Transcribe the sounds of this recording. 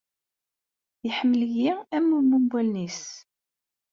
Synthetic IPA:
jəħəmːəljiæmːumːumbʷælnis

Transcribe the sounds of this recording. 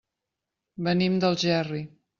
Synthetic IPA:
bənimd̪əlˠʒɛri

